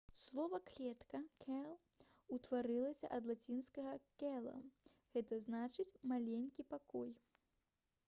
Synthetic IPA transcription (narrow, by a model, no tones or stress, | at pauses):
slˠɔvɐklʲɛt̪kɐkʰʲɛlˠ | ut̪vaɾɨlˠɐsʲɐ̰ʔɐd̪lˠat͡sʲinskɐɣɐkʲɛlˠɐ̰ɣɛt̪ɐznat͡ʂɨt͡sʲmalʲenʲkʲipakɔj